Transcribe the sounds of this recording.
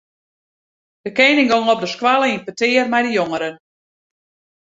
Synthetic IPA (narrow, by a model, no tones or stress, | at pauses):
d̥əkejnɪŋɡoŋɔp̚dəskwalˠəinpətɪːərmɛjdəjoŋəɾən